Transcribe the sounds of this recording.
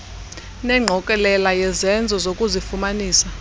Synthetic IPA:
nɛŋ͡ǃʱɔkʼɛlɛlajɛzɛnd͡zʱɔzokʼuzifumaniːsa

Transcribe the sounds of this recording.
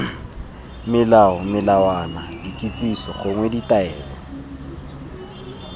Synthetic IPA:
mɪlaɔmɪlawanadikʼit͡sʼisɔχʊŋweditʼaɛːlɔ̰

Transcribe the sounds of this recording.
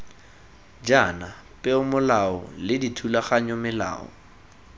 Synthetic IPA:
d͡ʒanapʼɛʊmʊlaɔlɪditʰulaχaɲɔmɪla̰ːɔ̰

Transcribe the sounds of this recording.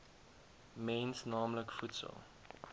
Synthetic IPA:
mɛnsnɑːmləkfutsə̰lˠ

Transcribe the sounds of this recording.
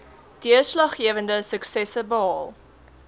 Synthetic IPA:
d̥iəslɐχːiəvəndəsəksɛsəbəɦɑːlˠ

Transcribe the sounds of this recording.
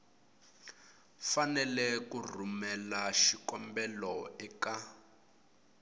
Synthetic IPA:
fanɛlɛkur̤umɛlaʃikɔmbɛlɔɛka

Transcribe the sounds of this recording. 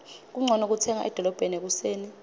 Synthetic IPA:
k̬uŋ͡ǀʱɔnok̬utʰɛŋa̰ʔɛd̥ʱɔlɔb̥ʱenek̬useːni

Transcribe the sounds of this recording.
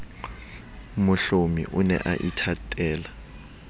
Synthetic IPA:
mʊɬomḭʔʊnɛ̰ʔaʔitʰatʼɛːla

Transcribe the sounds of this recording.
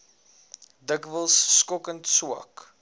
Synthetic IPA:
dəkvəlˠsːkɔkə̃ntsuə̰k

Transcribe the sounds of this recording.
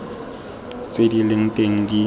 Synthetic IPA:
t͡sʼedilɪŋ̩tʼeŋ̩di

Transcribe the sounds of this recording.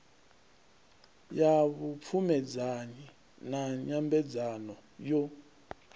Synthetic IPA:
jaβup̪fʰumɛd͡zani | naɲambɛd͡zanɔjɔ

